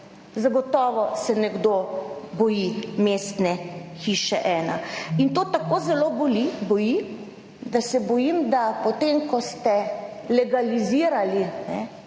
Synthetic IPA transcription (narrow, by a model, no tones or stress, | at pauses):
zaɡɔt̪ɔːʋɔsɛnɛɡd̪obɔjimeːst̪nɛxiːʃɛʔɛːna̰int̪ot̪akoːzɛlobolibɔji | d̪asɛbɔjimd̪apɔt̪emkɔst̪ɛlɛɡaliziːɾalinɛ